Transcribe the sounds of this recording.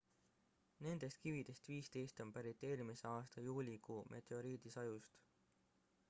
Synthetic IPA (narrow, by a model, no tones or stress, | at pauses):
ne̞nd̪̥e̞st̪̚kivid̪̥e̞st̪viːst̪e̞jst̪o̞mpæɾit̪ːˑe̞ːɾimise̞ɑːst̪ɑjuːlʲikuːmʔe̞̰t̪e̞o̞ɾiːd̪̥isɑjust̪